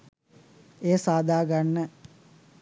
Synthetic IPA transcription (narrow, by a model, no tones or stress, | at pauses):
eːsaːd̪ʱaːɡaɳːə